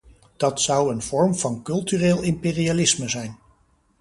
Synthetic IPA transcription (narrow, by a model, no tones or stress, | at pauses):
d̥ɑtsʌwənv̥ɔɹmv̥ɑnkɵlˠtyːreːlˠɪmpeːrialɪsməzɛjn